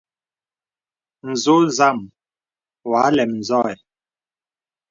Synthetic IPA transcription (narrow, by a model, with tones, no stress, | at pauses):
n̩˨zo˦za˦˨m | wa˨˦lɛ˨mn̩˨zɔ˦˨ɛ˨